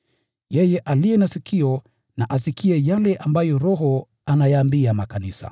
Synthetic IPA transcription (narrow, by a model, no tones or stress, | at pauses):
jɛjɛʔalijɛnasikʰiɔ | naʔasikʰiɛjalɛʔambajɔɾɔɦɔ | anajaːmbiamakanisa̰